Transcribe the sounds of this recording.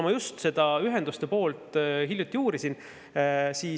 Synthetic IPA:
mɑjust̪se̞d̪̥ɑyɦe̞nd̪ust̪e̞po̞ːlt̪ˑɦilʲjut̪ːˑijuːɾisin | siː

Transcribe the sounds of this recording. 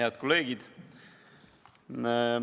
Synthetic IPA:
eɑd̪̥kolːe̞ːɡ̥id̪̥

